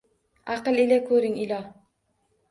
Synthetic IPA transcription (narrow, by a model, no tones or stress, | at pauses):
aqɨlˠɪlakʰɵɾɪŋɪlɒ